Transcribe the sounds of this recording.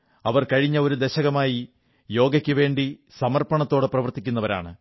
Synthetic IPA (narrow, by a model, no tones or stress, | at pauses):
ɐʋɐrkɐɻiɲːɐo̞ɾud̪eɕɐɣɐmaːji | jo̞ːɡɐkʲːuʋe̞ːɳɖisɐmɐrpɐɳɐt̪ːo̞ːɽeprɐʋɐrt̪ikʲːunːɐʋɐɾa̰ːɳɨ